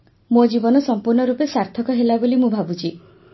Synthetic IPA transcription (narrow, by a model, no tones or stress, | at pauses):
mod͡ʒibɔnɔsɔmpuɾnɔɾupesaɾt̪ʰɔkɔɦelabolimũbʱabut͡ʃʰi